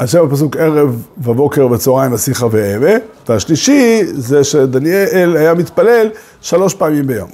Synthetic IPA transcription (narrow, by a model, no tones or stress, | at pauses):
haʃemapas̬uke̞ʁe̞vːabo̞ke̞ʁvet͡soʁaimasiχaveemeveaʃliʃizeʃed̪anjelelajamit̪pale̞l | ʃalo̞ʃpaːmimbejo̞̰m